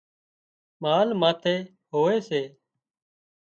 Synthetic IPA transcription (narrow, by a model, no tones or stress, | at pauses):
maːlmaːt̪ʰeː | ɦoːeːseː